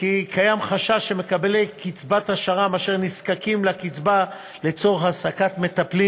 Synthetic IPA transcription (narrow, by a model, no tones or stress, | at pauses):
kikajamχaʃaʃeme̞kabelekit͡sbat̪haʃaʁamaʃeʁniskakimlakit͡sba | le̞t͡so̞ʁeχasakat̪me̞t̪apli